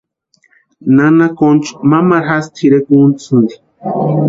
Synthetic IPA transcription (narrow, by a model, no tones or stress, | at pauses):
nanakont͡ʃmamaɾɦast̪ʰiɾekunt͡sɨnd̪i̥